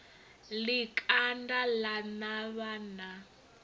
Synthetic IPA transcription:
likʼʰandalanaβana

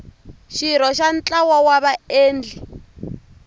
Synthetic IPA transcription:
ʃiɾɔʃant͡ɬawɔwaβaeːnd͡ɮʱi

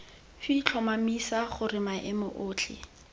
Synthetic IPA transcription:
fit͡ɬʰɔmamisaχʊɾrɪmaʔɪmʊʔʊːt͡ɬʰɪ̰

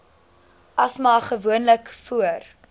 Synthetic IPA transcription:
ʔɐsmɑːχəvuənləkfuər

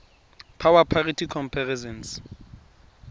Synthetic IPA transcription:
pʰawapʰaritʰikʰɔmpʰarɛsɛns

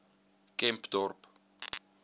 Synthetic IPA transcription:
kɛmpd̪̥ɔrp

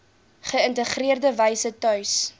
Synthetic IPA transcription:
χəəntəχriərdəvɐjsətœɥs

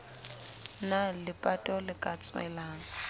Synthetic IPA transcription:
nalɪpʼatʼɔlɪkʼat͡sʼwɛ̰laːŋ̩

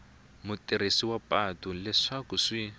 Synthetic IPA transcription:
mutʼiɾisiwapʼatulɛʂakuʂi

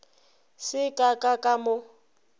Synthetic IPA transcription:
sɪkʼakʼakʼamʊ

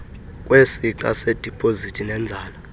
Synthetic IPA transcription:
kʼwesiǃa̰sed̥ʱipʼʰozitʰʼinɛnd͡zʱaːla

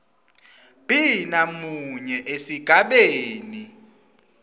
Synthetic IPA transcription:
b̥ʼʱinamuɲɛʔesiɡ̥ʱaɓeːni

